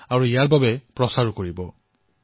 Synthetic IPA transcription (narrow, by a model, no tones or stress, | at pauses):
aɹuijaɹbabɛpɹɔsaɹukoɹibɔ